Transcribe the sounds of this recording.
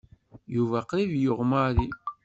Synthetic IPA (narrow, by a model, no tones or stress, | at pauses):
juvæqɾivjoʁmaɾi